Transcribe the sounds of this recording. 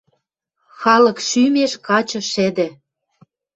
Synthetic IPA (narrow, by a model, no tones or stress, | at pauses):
xɑlɤ̆kʃymeʃkɑt͡ɕɤ̆ʃĕd̪ĕ